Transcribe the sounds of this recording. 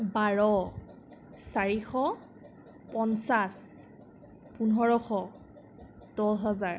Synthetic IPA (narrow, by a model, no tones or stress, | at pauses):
baɹɔ | saɹixɔ | pɔnsas | punɔɹɔxɔ | d̥ɔɦɔzaɹ